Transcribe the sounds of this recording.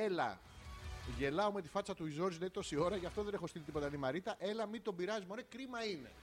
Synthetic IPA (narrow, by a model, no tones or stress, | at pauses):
e̞lɐ̰ | ʝe̞lɐome̞t̪ifɐt͡sɐt̪uizo̞ɾzleit̪o̞sio̞ɾɐʝɐft̪o̞ðe̞ne̞xo̞st̪ilit̪ipo̞t̪ɐnimɐɾit̪ɐʔe̞lɐmit̪o̞biɾɐzimoɾekɾimɐine̞̰